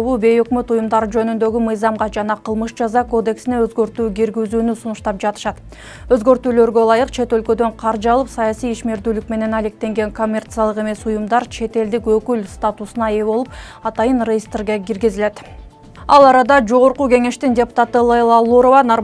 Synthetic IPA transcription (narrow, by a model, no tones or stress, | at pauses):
βuːbe̞jø̞kmøt̪ujumd̪ɑɾɯd͡ʒø̞nynd̪ø̞ɡymɯjzɑmʁɑd͡ʒɑnɑqʰɯlˠmɯʃd͡ʒɑzɑko̞d̪e̞ksine̞øzɡø̞ɾt̪yːɡʲiɾɡizyːnysunuʃt̪ɑp̚d͡ʒɑt̪ɯ̥ʃɑt̪ | øzɡø̞ɾt̪yːlø̞ɾɡø̞lˠɑjɯqt͡ʃʰe̞t̪ø̞lkø̞d̪ø̞ɴqʰɑɾd͡ʒɑlˠɯpsɑjɑsijiʃme̞ɾd̪yːlyk̚me̞ne̞nɑle̞k̚t̪e̞ŋɡe̞ŋko̞mʲːe̞rt̪sɨjɑlˠɯqe̞me̞sujumd̪ɑɾt͡ʃʰe̞t̪e̞ld̪ikø̞kylst̪at̪usunɑe̞βo̞lˠup̚ɑt̪ɑjɯnrʲejist̪rɡeɡʲiɾɡizile̞t̪ | ɑlˠɑɾɑd̪ɑd͡ʒo̞ʁo̞ɾquɡe̞ŋe̞ʃt̪indʲe̞pu̥t̪ɑt̪ɯlˠɑlˠɑlˠuɾo̞vɑno